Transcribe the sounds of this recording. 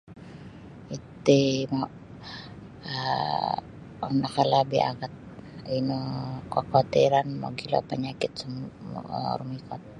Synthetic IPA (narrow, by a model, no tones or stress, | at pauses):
it̪ima | a | anakalabia̰ɡat̪̚inokakoat̪iɾanmo̰ɡila̰paɲakɪt̪̚sum̰ | ɾumikɔt̪̚